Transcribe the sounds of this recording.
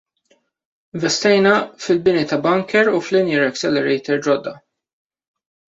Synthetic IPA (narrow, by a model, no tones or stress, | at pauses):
ɪɱvɛst̪ɛjnɐfɪlbɪnit̪ɐbɐŋkʰɛɾuflɪnjɪɾɛksɛlɛɾɛjt̪ɛɾd͡ʒɔd̪ːɐ